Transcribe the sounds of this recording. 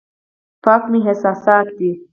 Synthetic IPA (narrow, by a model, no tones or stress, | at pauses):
paːkmiɦesaːsaːt̪̚d̪i